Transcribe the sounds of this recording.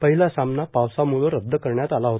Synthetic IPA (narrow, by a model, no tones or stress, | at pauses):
pəɦilasamnapaʋsamuloɾəb̚d̪ʱəkəɾɳjat̪alaɦot̪a